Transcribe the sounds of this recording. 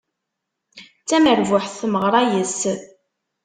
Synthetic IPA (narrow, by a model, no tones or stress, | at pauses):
t͡sːæməɾvʊħθθməʁɾˤɑjəs